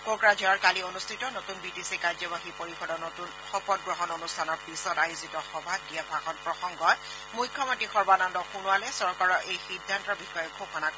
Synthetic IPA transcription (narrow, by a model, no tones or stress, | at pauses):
kokɹad͡ʒɔaɹkalionustʰitɔnotunbitisikaɹzɔbaxipoɹipʰɔdɔnɔtun | xɔpɔt̚ɡɹɔɦɔnonustʰanɔɹpisɔtajzitɔxɔbʱadijabʱaxɔtpɹɔxɔŋɡɔt | mujkʰːɔmɔntɹixɔɹbanɔndɔxunʊalɛsɔɹkaɹɔʔejxidʱːantɔbixɔjɔɡʱokʰɔnak